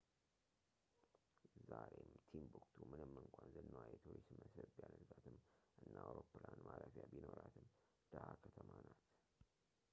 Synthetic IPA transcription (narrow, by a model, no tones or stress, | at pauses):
zaɾemt̪ʰimbukt̪ʰumɨnɨmːɨŋkʷʰʼanzɨnːəwajɛt̪ʰuɾisməsɨɾbjanəzat̪ʰɨmʔɨnːawɾopːlanmaɾəfjabino̞ɾat̪ʰɨm | d̪̥aʔakʰət̪ʰəmanat̪